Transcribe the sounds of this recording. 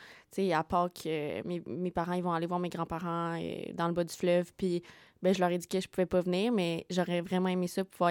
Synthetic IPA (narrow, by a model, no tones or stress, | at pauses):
t̪t͡seapaʁkʰømemepaʁɑ̃ilvɔ̃alevwaʁmeɡʁɑ̃paʁɑ̃ø̰d̪ɑ̃ləbɔd̪yflœvpi | bɛ̃ʒəlœːʁɛd͡zikʲɛʒəpuvɛpɔvniːʁmɛʒɔʁɛvʁɛmɑ̃emesɔpuvwa